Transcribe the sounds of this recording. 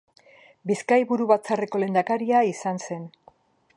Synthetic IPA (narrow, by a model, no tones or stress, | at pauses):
biskajβuɾuβat͡sare̞ko̞le̞nd̪akaɾiaisanse̞n